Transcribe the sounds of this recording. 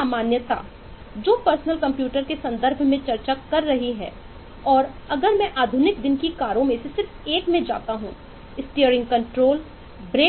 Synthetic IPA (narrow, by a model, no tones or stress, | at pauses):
aːmaːnjət̪a̰ | d͡ʒoːpəɾsnəlkɐ̃mpjuːʈəɾkesɐ̃nd̪əɾbʱmẽt͡ʃɐɾt͡ʃakɐɾːɐɦiɦɛ̰ː | ɔːɾɐɡəɾmɛ̃ʔaːd̪ʱʊnɪk̚d̪ɪnkikaːɾõmẽsesɪɾfeːkmẽd͡ʒa̰ːt̪aɦṵ̃ | ɪsʈijəɾɪ̃ŋɡ̚kɐ̃ɳʈɾoːl | bɾeː